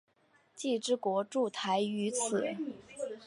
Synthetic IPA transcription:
t͡ɕi˥˩ʈ͡ʂɻ̩˥kwɔ˧˥ʈ͡ʂu˥˩t̪ʰa˧˥ɪy˧˥t͡sʰɹ̩˨˩˦

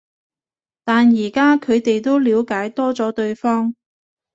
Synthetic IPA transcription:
t̪aː˨njiː˨˩kaː˥kʰɵ˨˧ɥt̪e˨jt̪o˥wliː˨˧wkaː˨˥jt̪ɔː˥t͡sɔː˨˥t̪ɵ˧ɥfɔː˥ŋ

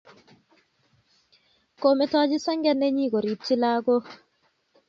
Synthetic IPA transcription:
ko˨me˨tɔː˦d͡ʒi˦sa˦ŋɡɛ˦nːe˦ɲi˦ko˨ɾi˨p̚t͡ʃi˦laː˦ɡo˦

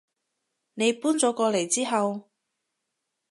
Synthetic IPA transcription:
ne˨˧jpuː˥nt͡sɔː˨˥kɔː˧le˨˩jt͡siː˥ɦɐ˨w

